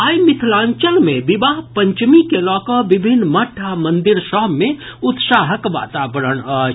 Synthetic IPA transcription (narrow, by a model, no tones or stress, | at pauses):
aːjmɪt̪ʰlãːɲt͡ʃəlmẽʋɪʋaːɦpɐ̃ɲt͡ʃmikelɔːkəʋɪbʱɪnːmɐʈʰːamɐ̃nd̪ɪɾʃɔɦmẽʊt̪saːɦəkʋa̰ːt̪aːʋəɾəɳa